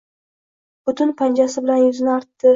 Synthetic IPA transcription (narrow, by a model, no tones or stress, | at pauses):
b̥ʊt̪ʊnpʰand͡ʒasɪbɪlanjʊzɪnaɾt̪ːɪ